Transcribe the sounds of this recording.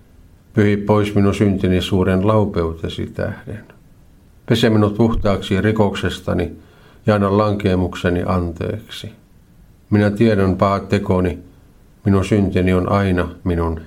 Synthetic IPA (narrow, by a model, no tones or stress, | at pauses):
pyhippoisminusynt̪inisuːɾenlɑupeut̪esḭt̪æ̰hden | pesemːinut̪uht̪ɑːksirikoksest̪ɑ̰ni | jɑɑinɑlɑŋkeːmuksenḭʔɑnt̪ḛːksi | minæt̪ieɾæmpɑhɑt̪ːekoni | minusynt̪inionʔɑinɑminun